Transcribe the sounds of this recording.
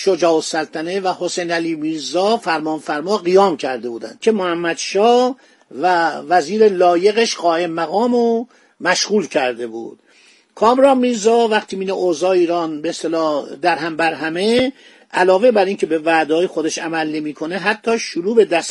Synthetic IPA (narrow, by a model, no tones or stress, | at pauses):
ʃod͡ʒɒːosælt̪ʰænevæho̞sejnæliːmiːɾzɒːfæɾmɒːnfæɾmɒːɣijɒːmcʰæɾd̪e̞buːd̪æ̰n̥̚cʰe̞mohæmːæd̪ʃɒː | vævæziːɾe̞lɒːje̞ɣeʃɢɒːʔe̞mːæɣɒːmo | mæʃɣuːlcʰæɾd̪e̞bṵːd̪̥ | kʰɒːmɾɒːnmiːɾzɒːvæχt̪ʰiːmiːneʔozɒːiːɾɒːnbeest̪elɒːd̪æɾɦæmbæɾɦæme | ʔælɒːve̞bæɾiːncʰe̞be̞væːd̪ɒːjexod̪eʃæmælne̞miːkʰo̞ne̞ɦæt̪ʰːɒːʃuɾuːbe̞d̪æs